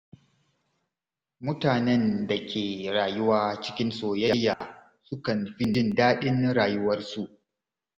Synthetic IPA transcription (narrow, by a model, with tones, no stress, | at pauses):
mʊ˦taː˨nɛ˦nda˨kʲʰeː˨ɾaː˨jʊ˦waː˦t͡ʃɪ̥˦kʲɪ˦nsoː˨jɐ˦jːa˨ | sʊ˦kɐ˨nɸɪ˦nɪ˦˨ndaː˦ɗɪ˦nɾaː˨jʊ˦wɐ˦rsu˦˨ʔ